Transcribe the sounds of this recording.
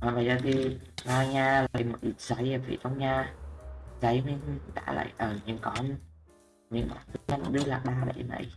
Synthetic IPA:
ʔaː˨˩ɓaː˨˩jzaː˧˩t̪ʰi˧ɓaː˧ɲaː˧laː˧˨jmo˨˩t̚ʔi˨˩t̚zə˨˦jə˨˩vḭ˧˩ʔə˧wŋ͡mɲaː˧ | zə˨˦jmi˧ŋɗa̰ː˧˥la̰ː˧˨jʔəː˨˩ɲɨ˧ŋkɔ˨˦ | ɲɨ̰˧˥ŋɓaː˧˩nt̪ʰɨ˨˧˦ɲa˧˩m˨˩ɗɨ˧˦la̰ː˨˩kɓaː˧ɗə̰˧˩jna̰˧˨j

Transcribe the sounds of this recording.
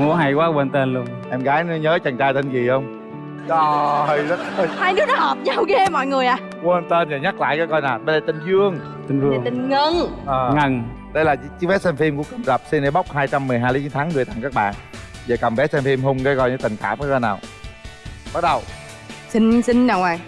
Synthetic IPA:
u˨˧˦əɦa˧˩jkwaː˨˦we˧nt̪e˧nlu˧əŋʔɛ˧mɣaː˨˦jn˨˦ɲəː˨˦t͡ɕa˨˩ŋt͡ɕaː˧jt̪ʰi˧ŋ̟ki˨˩xə˧wŋ͡m | ɗɔ˨˧˩ɦə˧jzə˦˥t̚ə˧jhaː˧jnɨ˦˥k̚nɔ˦hə˨˩p̚ɲa˨˧wɣe˧mɔ̰˧˨jŋɨ˨˩əjʔaː˨˩ | ɣe˧nt̪e˧nva˨˩ɲa˦˥k̚la̰ː˧˨jkaː˨˦jkɔ˧jnaː˨˩wɓə˧laː˧˩t̪ï˧˩ŋ̟zɨ˧əŋ | t̪ï˧ŋ̟vɨ˧˨əŋi˨˩ŋŋə˧nʔəː˨˩ŋə˨˩ŋ | ɗə˧jlaː˨˩t͡ɕi˧˦ɓɛ˨˦˥sɛ˧mfi˧mku˧˩əki˨˧˩nzə˨˩p̚si˧nɗe˨˦ɓa˦˥wk͡p̚haː˧jt͡ɕa˧mːɨ˨˩əjɦaː˧jlt͡ɕi˨˦nt̪ʰːŋːɨ˨˩ət̪a̰˧˨ŋkaː˦˥k̚ɓa̰ː˧˨nvaː˨˩kə˨˩mɓɛ˨˦˥sɛ˧mfi˧mɦʊ˧ŋ͡mkəː˨˦kɔ˧jə˨˦t̪ï˨˩ŋ̟ka̰ː˧˩m̚kaː˨˦kɔ˧jnaː˨˩w | ɓa˦˥t̚ɗə˨˩w | si˧ŋsï˧ŋ̟ɗə˨˩wʔaː˨˩

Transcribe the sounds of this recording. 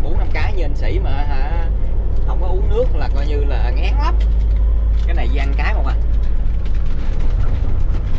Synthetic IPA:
ɓo˨˧˦na˧mkaː˨˦ɲə˨˩nsḭ˧˩maː˨˩ɦaː˧˩ | hə˧wŋ͡mkɔ˨˦ʔu˧˦nɨ˦˥ək̚laː˨˩kɔ˧jɲɨ˧laː˨˩ŋɛ˨˦ŋla˦p̚ | kaː˨˦jna˨˩jza˧ŋkaː˨˦jmɔ˨˩ʔaː˨˩˨

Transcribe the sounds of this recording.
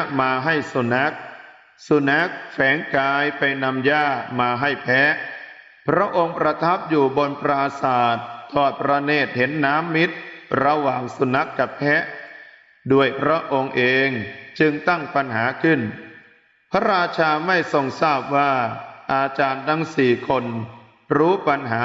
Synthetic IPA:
maː˧ɦa˥˩jsu˧na˦˥k̚ | su˧na˦˥k̚fɛː˩˦ŋkaː˧jpa˧jna˧mjaː˥˩maː˧ɦa˥˩jpʰɛ˦˥ | pʰɾa˦˥ʔo˧ŋpɾa˧t̪ʰa˦˥p̚juː˨˩bo˧npɾaː˧saː˨˩t̪ʰːɔː˨˩t̪̚pɾa˧neː˥˩t̪̚he˩˦nːaː˦˥mːi˦˥t̪̚ɾa˧waː˨˩ŋsu˧na˦˥kːa˨˩pʰːɛ˦˥ | du˧˥˩əjpʰɾa˦˥ʔo˧ŋʔeː˧ŋt͡ɕɯ˧ŋt̪a˥˩ŋpa˧nɦaː˩˦kʰɯ˥˩n | pʰa˦˥ɾaː˧t͡ɕʰaː˧ma˥˩jso˨˩ŋsaː˥˩p̚waː˥˩ʔaː˧t͡ɕaː˧nt̪ʰa˦˥ŋsiː˨˩kʰo˧n | ɾuː˦˥pa˧nɦaː˩˦

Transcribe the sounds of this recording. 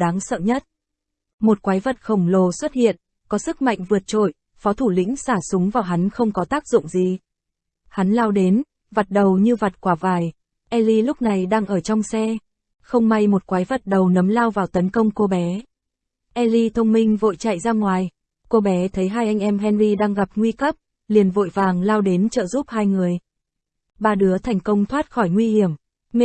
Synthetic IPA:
ɗaː˨˦ŋsə̰ː˧˨ɲə˦˥t̚ | mo˨˩t̚kwaː˨˦jvə˨˩t̚xə˧˩wŋ͡mlo˨˩swə˦˥t̚hḭ˧˨ən | kɔ˨˦sɨ˦˥k̚ma̰˧˨jŋ̟vɨ˨˩ət̚t͡ɕo̰˧˩˨j | fɔ˨˦t̪ʰu˧˩lḭ̈˧˥ŋ̟saː˧˩sʊ˨˦ŋ͡mvaː˨˩wɦa˨˦nxə˧wŋ͡mkɔ˨˦t̪aː˦˥k̚zʊ̰˧˨ŋ͡mzi˨˩ | ha˨˦nlaː˧wɗe˨˦n | va˨˩t̚ɗə˨˩wɲɨ˧va˨˩t̚kwaː˨˩vaː˨˩j | ʔɛ˧li˧lʊ˦˥k͡p̚na˨˩jɗaː˧ŋʔəː˧˩t͡ɕɔ˧wŋ͡msɛ˧ | xə˧wŋ͡mma˧jmo˨˩t̚kwaː˨˦jvə˨˩t̚ɗə˨˩wnə˨˦mlaː˧wvaː˨˩wt̪ə˨˦nkə˧wŋ͡mko˧ɓɛ˨˦ | ʔɛ˧li˧t̪ʰə˧wŋ͡mmï˧ŋ̟vo̰˧˨jt͡ɕa̰˧˨jzaː˧ŋwaː˨˩j | ko˧ɓɛ˨˦t̪ʰə˨˦jɦaː˧jʔa˧ŋ̟ʔɛ˧mɦɛ˧nɾi˧ɗaː˧ŋɣa˨˩p̚ŋwi˧kə˦˥p̚ | li˨˩ənvo̰˧˨jvaː˨˩ŋlaː˧wɗe˨˦nt͡ɕə̰ː˧˨zu˦˥p̚haː˧jŋɨ˨˩əj | ɓaː˧˩ɗɨ˨˦ət̪ʰa˨˩jŋ̟kə˧wŋ͡mt̪ʰwaː˦˥t̚xɔ˧˩jŋwi˧hi˧˩əm | m˧˨

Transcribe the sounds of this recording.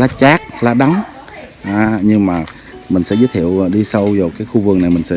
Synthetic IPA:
laː˨˦t͡ɕaː˦˥k̚laː˨˩ɗa˨˦ŋ | ʔaː˨ɲɨ˧ŋmaː˨˩ | mï˨˩ŋ̟sɛ̰˧˥zəː˦˥t̪ʰḭ˧˨əwɗi˧sə˧wzɔː˨˩kaː˨˦jxu˧vɨ˨˩əŋna˨˩jmï˨˩ŋ̟sɛ̰˧˥

